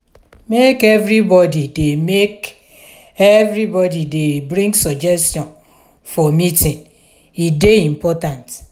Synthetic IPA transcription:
mekevɾibɔdidemek | evɾibɔdidebɾĩŋɡsɔd͡ʒɛstjɔ̃n | fɔmitĩn | ideim̩pɔtãnt

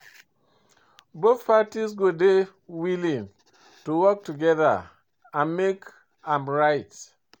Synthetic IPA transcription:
boθpatisɡode | wilĩn | tuwɔk̚tuɡɛða̰ | ãnmek | ãmɹaɪt

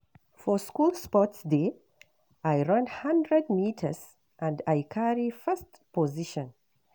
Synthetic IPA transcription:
fɔskulˠspɔtsde | ajɹʌ̃nhãndɹɛd̚mitʰəs | ʔãndajkʰaɹifɛst | pɔziʃɔ̃n

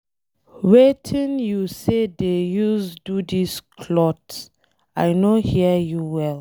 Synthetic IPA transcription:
wetʰĩnjusedejusdudiskʰlɔt | ajnohiəjuwɛl

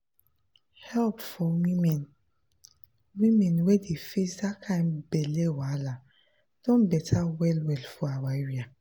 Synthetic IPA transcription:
hɛlpfɔwimɛn | wimɛ̃nwedefezakʰãjmbɛlewala | d̥ɔ̃nbɛtʰawɛlwɛlfɔawaiwia

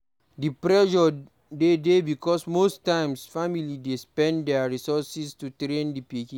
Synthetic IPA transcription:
dipɹɛʃɔ | dedebikɔsmostãɪ̃msfamilidespɛ̃ndɛaɹisɔsistutɾẽndipikĩ

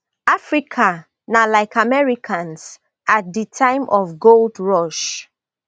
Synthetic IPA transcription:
afɹikʰa | nalaɪkamɛɹikʰãns | at̚ditʰãɪ̃mʔɔfɡoldɹɔʃ

